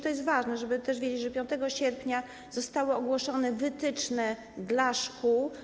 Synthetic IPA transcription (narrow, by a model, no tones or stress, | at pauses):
t̪ɔjɛst̪vaʐnɛʐɛbɘt̪ɛʂvʲjed͡ʑeʐɛpʲjɔ̃nt̪ɛɡɔɕɛɾpɲa | z̥ɔst̪awɔːɡwɔʂɔnɛvɘt̪ɘt͡ʂnɛ | d̪laʂkuw